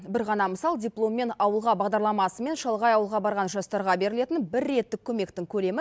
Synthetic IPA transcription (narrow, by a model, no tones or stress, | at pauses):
bɪɾʁɑnɑməsɑlˠdʲijplˠo̞mːe̞nɑwəlˠʁɑbɑʁd̪ɑɾlˠɑmɑsəme̞nʃɑlˠʁɑjɑwəlˠʁɑbɑɾʁɑnʒɑst̪ɑɾʁɑbe̞ɾɪle̞t̪ɪnbɪɾːe̞t̪ːɪkʲʰɵme̞kt̪ɪŋkʲʰɵle̞mɪ